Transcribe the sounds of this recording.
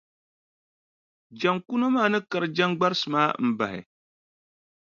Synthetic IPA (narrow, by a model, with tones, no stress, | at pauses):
d͡ʒa˨ŋku˦no˦maː˦˨nɨ˦ka˨ɾd͡ʒa˦ŋɡ͡ba˦ɾsɨ˨maː˦˨m̩˨ba˨hɛ̰˨